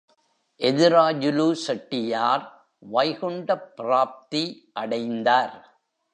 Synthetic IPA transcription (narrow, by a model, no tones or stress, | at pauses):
ʔɛðɪɾaːd͡ʒɯluːsɐʈːɪjaːɾ | ʋɐɪɣɔɳɖɐpːɪɾaːp̚t̪i | ʔɐɽɐɪnd̪aːɾ